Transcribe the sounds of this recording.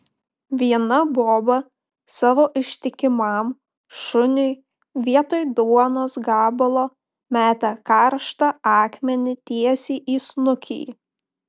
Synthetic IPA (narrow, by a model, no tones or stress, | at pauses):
ʋʲiɛnɐboːbɐ | sɑːʋoːʔɪʃʲt̪ʲɪkʲɪmɑm | ʃʊnʲʊɪ | ʋʲiɛt̪oːjd̪uɔnoːsɡɑːbɐlˠoː | mʲæːt̪ʲɛkɑɾʃt̪ɑɑːkmʲɛnʲɪt̪ʲiɛsʲiːʔiːsnʊkʲḭː